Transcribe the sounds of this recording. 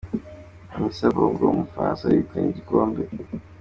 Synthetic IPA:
hamisaβoɡomufasajikaɲeɟikoːmbe

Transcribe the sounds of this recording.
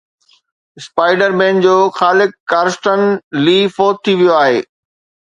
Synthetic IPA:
spaːɪɖəɾmẽːnd͡ʑoːxaːlɪkkːaːɾsʈənliːfoːt̚t̪ʰːiʋijoaːɦḛː

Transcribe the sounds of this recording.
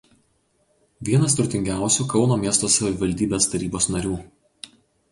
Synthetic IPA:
ʋʲiɛnɐst̪ɾʊt̪ʲɪŋʲɡʲæˑʊsʲuˑkɒʊnoːmʲiɛst̪oːsɐʋʲɪʋɐlʲd̪ʲiːbʲeːst̪ɐɾʲiːboːsnɐɾʲuː

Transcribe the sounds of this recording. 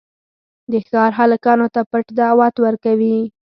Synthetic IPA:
d̪əxɑɾɦaləkɑnot̪apəʈd̪ɑwat̪wəɾkawi

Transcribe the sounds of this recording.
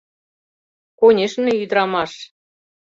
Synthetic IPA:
konʲeʃnĕyd̪ɾɑmɑʃ

